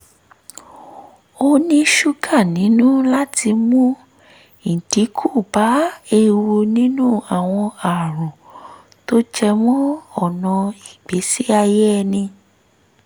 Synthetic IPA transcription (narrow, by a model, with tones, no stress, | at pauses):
o˧nĩ˧ʃu˧ɡa˦˨nĩ˨˦nũ˦la˦ti˧mũ˦ | ñ̩˨di˨˦kʰu˦˨ba˨˦e˧ɾu˧nĩ˦nũ˦a˦˨w̃ɔ̃˧a˨ɾɔ̃˨ | to˦d͡ʒɛ˧mɔ̃˦ɔ˦˨nɔ̃˧i˨ɡ͡be˨˦si˦a˧je˦ɛ˧nĩ˧